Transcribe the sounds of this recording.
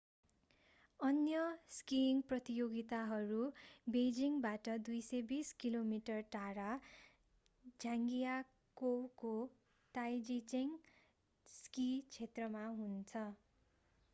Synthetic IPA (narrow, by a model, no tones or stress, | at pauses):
ʌnjʌskiŋprʌt̪ijoɡit̪aɦʌɾubed͡ziŋbaʈʌd̪ujsʌjbiskilomiʈʌrʈaɾa | d͡zʱãŋɡija | kowko | t̪ajd͡zit͡seŋ | skit͡sʰet̪rʌmaɦunt͡sʰʌ